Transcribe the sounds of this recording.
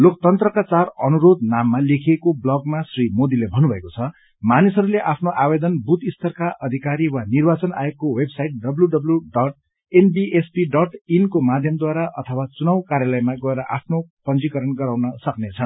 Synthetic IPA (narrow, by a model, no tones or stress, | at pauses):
lok̚t̪ʌnt̪rʌkat͡sarʌnuɾod̪namːalekʰiekoblʌɡmasrimod̪ilebʱʌnubʱʌekot͡sʰʌ | manisʌɾuleʔapʰnoʔabed̪ʌnbut̪ist̪ʰʌrkaʔʌd̪ʱikaɾiwanirbat͡sʌna̰jokːowebsaiʈ̚ɖʌbljuɖʌbljuɖʌʈ | enbiʔespiɖʌʈinkomad̪ʱjʌmd̪waɾaʔʌt̪ʰʌwat͡sunʌwkaɾjalʌjmaɡʌeɾʌʔapʰnopʌnd͡zikʌɾʌnɡʌɾawnʌsʌknet͡sʰʌn